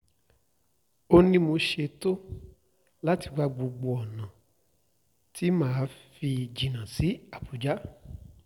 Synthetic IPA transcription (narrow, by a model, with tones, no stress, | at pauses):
o˧nĩ˧mo˧ʃe˧to˦ | la˦ti˧ɡ͡ba˧ɡ͡bo˨˧ɡ͡bo˧ɔ˨nã˨ | ti˦mãː˦fi˧d͡ʒi˨nã˨si˨˦a˦˨pu˨d͡ʒa˦